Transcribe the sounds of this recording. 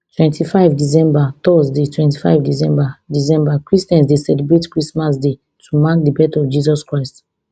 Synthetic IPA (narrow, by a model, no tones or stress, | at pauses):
twɛ̃ntʰifaɪvdis̬ɛ̃mbatɔsdetwɛ̃nti̥fa̰ɪvdis̬ɛ̃mbadis̬ɛ̃mbakɹistɛ̃nsdesɛlibɹetkɹismas̬de | tʰumãkdibɛtɔfd͡ʒizɔskɹaɪst